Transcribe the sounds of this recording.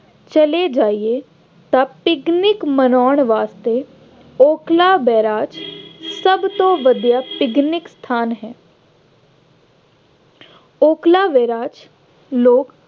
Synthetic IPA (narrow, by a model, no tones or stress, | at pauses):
t͡ʃəled͡ʒaːie | t̪apɪɡnɪkmənɔːɳʋaːst̪e | oːklaːʋɛːɾaːd͡ʒsəbt̪õːʋəd̪jaːpɪɡnɪkst̪ʰaːnɦɛː | oːklaːʋɛːɾaːd͡ʒ | loːk